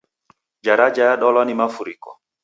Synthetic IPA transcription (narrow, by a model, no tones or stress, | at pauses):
d͡ʒaɾad͡ʒajaɗɔlɔnimafuɾikɔ